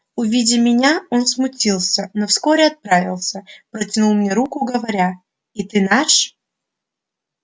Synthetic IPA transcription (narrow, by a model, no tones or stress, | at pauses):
ʊvʲidʲɪmʲɪnʲao̞nsmʊtʲilˠsʲənofsko̞ɾʲɪɐt̪̚pɾavʲɪ̰lˠsʲəpɾətʲɪnulˠmnʲeɾukʊɡəvɐɾʲa | it̪ɨnaʂ